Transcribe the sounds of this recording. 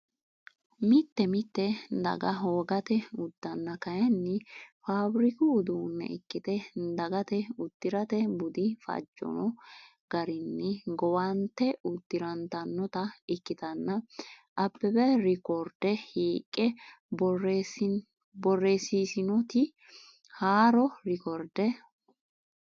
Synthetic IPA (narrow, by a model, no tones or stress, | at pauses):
mɪt̪ːɛmɪt̪ːɛd̪ɐ̰ɡɐɦoːɡɐt̪ɛʊd̪ːɐnːɐkɐjɐnːɪfaːbɾɪkɪːd̪uːnːɛ̰ɪkːɪt̪ɛd̪ɐɡɐt̪ɛʊd̪̥ːɪɾɐt̪ɛbʊd̪ɪfɐ̰d͡ʒːɔ̰nɔ | ɡ̥ɐɾɪnːɛɡɔwɐnt̪ːɛʊt̪ːɪɾɐnt̪ɐnːɔt̪ɐɪkːɪt̪ɐnːɐʔɐpːɛbɛɾɪkɔɾd̪ɛhiːkʼːɛ | bɔr | bɔrːeːsiːsɪnɔt̪ɪ | haːɾɔɾɪkɔɾd̪ɛ